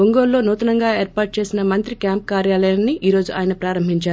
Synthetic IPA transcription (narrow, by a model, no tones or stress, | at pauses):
oŋɡoːllːoːnuːt̪ɐnɐŋɡaːe̞ːɾpaːʈ̚t͡ʃe̞ːsinɐmɐnt̪ɾikjaːmp̚kaːɾjaːlɐjanːiʔiːɾo̞ːd͡ʒuʔa̰ːjnɐpɾaːɾɐmbʱiɲt͡ʃaːɾu